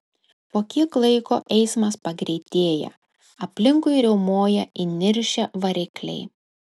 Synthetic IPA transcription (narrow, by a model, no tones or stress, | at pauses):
poːkʲiklˠɐɪko̰ːʔɛɪsmɐspɐɡɾʲɛɪt̪ʲeːjɛ̰ | ɐpʲlʲɪŋkʊɪɾʲɛʊmoːjɛʔɪnʲɪɾʲʃʲɛʋɐɾʲɪklʲɛ̰ɪ